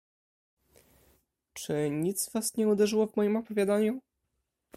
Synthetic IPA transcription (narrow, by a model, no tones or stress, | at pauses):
t͡ʂɘɲit̪svasɲɛud̪ɛʐɘwɔvmɔjimɔpɔvʲjad̪aɲu